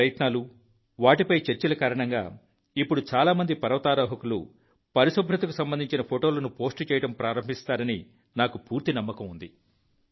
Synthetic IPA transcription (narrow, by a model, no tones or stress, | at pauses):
ɐjɐt̪naːlu | ʋaːʈipɐjt͡ʃeɾt͡ʃɐlɐkaːɾɐɳɐŋɡa̰ː | ipːuɽut͡ʃaːlaːmɐnd̪ipɐɾɐʋɐt̪aːɾɐːɦɐkulṵ | pɐɾisɐbʱɾɐt̪ɐkusɐmbɐnd̪ʱiɲt͡ʃinɐpʰoʈoːlɐnupo̞ːsʈt͡ʃɛːjɐʈɐmpɾaːɾɐmbʱist̪aːɾɐni | naːkupuːɾt̪inɐmːɐkɐmund̪i